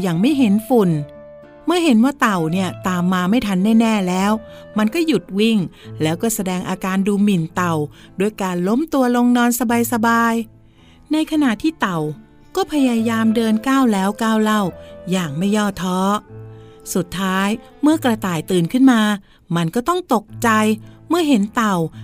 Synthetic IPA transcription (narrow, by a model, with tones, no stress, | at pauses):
jaː˨˩ŋma˥˩jɦe˨˦nfu˨˩n | mɯ˥˩əhe˨˩˦nwaː˥˩t̪a˨˩wni˥˩ɐt̪aː˧mːaː˧ma˥˩jt̪ʰa˧˥nːɛː˥˩nɛː˥˩lɛː˦˥w | ma˧nkɔː˥˩ju˨˩t̪̚wi˥˩ŋlɛː˦˥wkɔː˥˩sa˧dɛː˧ŋʔaː˧kaː˧nduː˧mi˨˩nt̪a˨˩w | du˧˩əjkaː˧nlo˦˥mt̪u˧ɐlo˧ŋnɔː˧nsa˧baː˧jsa˧baː˧j | na˧jkʰa˧na˨˩t̪ʰːiː˥˩t̪a˨˩w | kɔː˥˩pʰa˧jaː˧jaː˧mdɤː˧nkaː˥˩wlɛː˦˥wkaː˥˩wla˥˩wjaː˨˩ŋma˥˩jːɔː˥˩t̪ʰːɔː˦˥ | su˨˩t̪ʰːaː˦˥j | mɯ˥˩ɐkɾa˧t̪aː˨˩jt̪ɯː˨˩nkʰɯ˥˩nmaː˧ | ma˧nkɔː˥˩t̪ɔ˥˩ŋt̪o˨˩k̚t͡ɕa˧jmɯ˥˩əɦe˩˦nt̪a˨˩w